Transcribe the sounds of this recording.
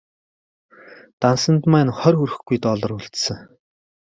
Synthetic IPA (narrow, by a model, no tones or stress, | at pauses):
t̪ansə̆nt̪mæːnχœrxuɾɘ̆xɡujt̪ɔɮɞ̆ruɮt̪sə̆ŋ